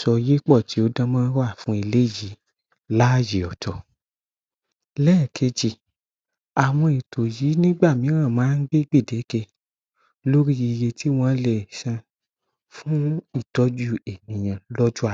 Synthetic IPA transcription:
sɔ˧je˦k͡pɔ˦˨ti˨˦o˦dã˧mãː˦ɾa˦˨fũ˨˦i˧le˦˨ji˨˦ | la˦˨ji˨ɔ˨tʰɔ˨ | lɛː˦˨kʰe˧d͡ʒi˨ | a˨w̃ɔ̃˧i˨tʰo˨ji˨˦nĩ˦ɡ͡ba˦˨mĩ˨˦ɾã˦˨mãː˨˦n̩˦ɡ͡be˦ɡ͡be˦˨de˨˦ke˧ | lo˦ɾi˦ji˧je˧tʰi˦w̃ɔ̃˦lɛ˨ʃã˧ | fũ˦i˦˨tɔ˨˦d͡ʒu˦˨e˨nĩ˨j̃ã˨lɔ˦d͡ʒu˦a˨

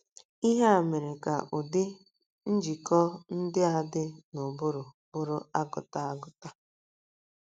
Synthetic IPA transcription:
i˦ɦe˦a˨me˨ɾɪ˨ka˨ʔʊ˨dɪ˦ | n̩˦d͡ʒi˨kɔ˦n̩˦dɪ˦a˨dɪ˦nʊ˨bʊ˦ɾʊ˨ | bʊ˦ɾʊ˦a˦ɡʊ̰˨ta˦a˦ɡʊ˨ta˦

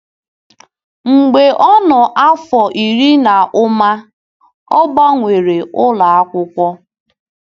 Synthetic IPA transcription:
ŋ͡m̩˨ɡ͡be˨ʔɔ˦nɔ˨ʔa˦fɔ˨ʔi˨ɾi˦na˨ʔʊ˦ma˦ | ɔ˦ba˦ŋʷe˨ɾe˨ʊ˦la˨a˦kʷʊ˦kʷɔ˦

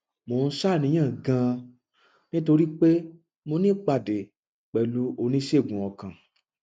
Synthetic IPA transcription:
mo˨˧˨n̩˦ʃa˦˨nĩ˨˦j̃ã˦˨ɡã˧ | nĩ˦to˧ɾi˦k͡pe˦ | mo˧nĩ˦k͡pa˧˨de˨ | k͡pɛ˨lu˨˦o˧nĩ˦ʃe˦˨ɡũ˨ɔ˨kã˨

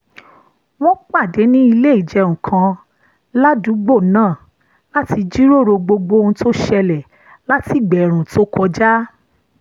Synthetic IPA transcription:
w̃ɔ̃˦k͡pa˦˨de˨˦nĩ˦i˧le˦i˦˨d͡ʒɛ˧ŋũ˨kʰã˧ | la˦du˨˦ɡ͡bo˦˨nãː˦˨ | la˦ti˧d͡ʒi˦ɾo˦˨ɾo˧ɡ͡bo˧ɡ͡bo˧ũ˧˦to˦ʃɛ˧lɛ˨ | la˦ti˦˨ɡ͡bɛ˨ɾ̃ũ˨to˦kʰɔ˧d͡ʒa˦

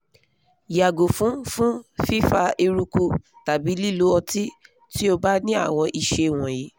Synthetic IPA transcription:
ja˨ɡo˨fũ˨˦fũ˦fi˦fa˧e˧ɾu˧ku˧ta˨bi˨˦li˦˨lo˨˦ɔ˧ti˦ | ti˦o˧ba˦nĩ˦a̰˦˨w̃ɔ̃˧ʔi˨ʃe˧˨w̃ɔ̃˨ji˨˦

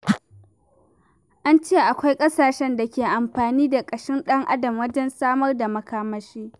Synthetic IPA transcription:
ʔa˦nt͡ʃeː˦˨ʔa˨kʷa˦jkʼɐ˦saː˨ʃɛ˦nda˨kʲeː˨ʔa˨mɸaː˨niː˦da˨kʼɐ˨ʃɪ˦nɗɐ˦ŋʔa̰˦dɐ˨mwɐ˦d͡ʒɛ˦nsaː˦mɐ˦rda˨mɐ˨kaː˦mɐ˦ʃiː˦

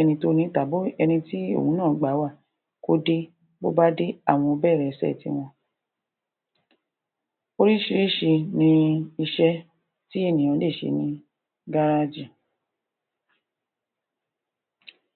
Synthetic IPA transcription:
ɛ˧nĩ˧to˦nĩ˧˦ta˨˦bo˦ɛ˧nĩ˧ti˦o̰˦˨ũ˨˦nãː˦˨˦ɡ͡ba˨˦wa˦˨ | ko˦de˧ | bo˦ba˦de˦a̰˦˨w̃ɔ̃˧bɛː˦˨ɾɛ˨sɛ̰˦˨tḭ˧˦w̃ɔ̃˧ | o˧ɾi˦ʃi˧ɾi˦˨ʃe˧nĩ˧i˧ʃɛ˧ | ti˦e˦˨nĩ˨ã˨˦le˦˨ʃḛ˧˦nĩ˧ | ɡa˦ɾa˧d͡ʒi˦˨

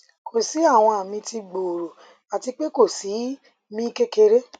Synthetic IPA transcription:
kʰo˨si˨˦a˦˨w̃ɔ̃˧a˨mĩ˧ti˧ɡ͡bo˨ɾo˨ | a˨ti˧k͡pe˦ko˦˨si˨˦ | mĩ˦ke˦ke˧ɾe˦

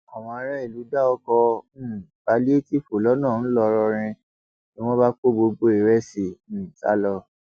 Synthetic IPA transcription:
a˨w̃ɔ̃˧a˧˦ɾa˦i˦˨lu˨˦da˦ɔ˧kɔ̃˧˦˨ | b̥a˨˦li˦e˦ti˦fo˨lɔ˨˦nãː˦˨ñ̩˦lɔ˧ɾɔ˧ɾ̃ĩ˧ | ni˦w̃ɔ̃˦ba˦k͡po˦bo˧ɡ͡bo˦i˨ɾɛ˦sĩ˨˦˨ta̰˨˦lɔ˧

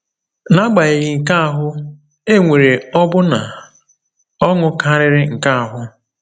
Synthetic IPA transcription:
na˦ɡ͡ba˨i˨ɣi˨ŋ̩˨ka˦a˨ɦʊ˦ | e˦ŋʷe˨ɾe˨ɔ˦bʊ˦na˨ | ɔ˦ŋʊ˦ka˦ɾɪ˦ɾɪ˦ŋ̩˨ka˦a˨ɦʊ˦

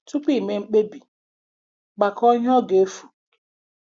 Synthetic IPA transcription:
tu˦pi˦˨me˨ŋ͡m̩˦k͡pe˦bi˨ | ɡ͡ba˨kɔ˦ɲ˦ɔ˦ɡe˨e˦fu˨

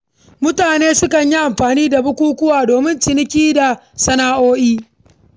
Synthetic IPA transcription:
mʊ˦taː˨neː˦sʊ˦kɐ˨ɲji˦ʔa˨mɸaː˨niː˦da˨bʊ˦kʷuː˦kʷʊ˦waː˨doː˨mɪ˦nt͡ʃɪ˨nɪ˦kʲiː˦da˨sɐ˦naː˦ʔoː˦ʔiː˦

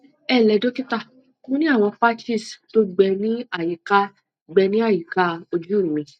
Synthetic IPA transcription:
ɛ˦˨lɛ˧˦do˦ki˦ta˦˨ | kõ˦nĩ˦a˦˨w̃ɔ̃˧pa˦ti˦˨sto˦ɡ͡bɛ˧nĩ˦a˦˨ji˨˦ka˧ | ɡ͡bɛ˧nĩ˦a˦˨ji˨ka˧˦o˧d͡ʒu˦˨ĩ˨mĩ˧

